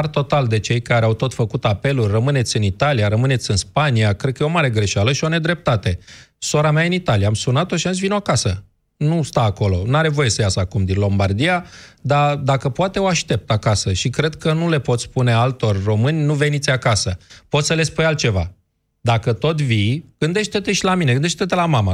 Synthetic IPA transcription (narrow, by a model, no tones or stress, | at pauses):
rt̪o̞t̪ald̪e̞t͡ʃe̞jkaɾeawt̪o̞t̪fəkut̪ape̞lurʲrəmɨne̞t̪sʲɨnit̪alijaɾəmɨne̞t̪sʲɨnspaniakɾe̞d̪kəjeo̞maɾe̞ɡɾe̞ʃealəʃio̞ne̞d̪ɾe̞p̚t̪at̪e̞so̞ɾameaɨnit̪alijaːmsunat̪oʃians̬vinoakasə | nust̪aːko̞lo̞naɾe̞vo̞je̞səjasəakumd̪inlo̞mbard̪ijad̪ad̪akəpoat̪e̞oaʃt̪e̞p̚t̪akasəʃikɾe̞d̪kənule̞po̞t̪spune̞alt̪o̞rʲro̞mɨnʲnuve̞nit̪sʲakasəpot̪sʲəle̞spujalt̪̚t͡ʃe̞va̰ | d̪akət̪o̞t̪vijɡ̥ɨnd̪e̞ʃt̪e̞t̪e̞ʃilamineɡɨnd̪eʃt̪et̪elamama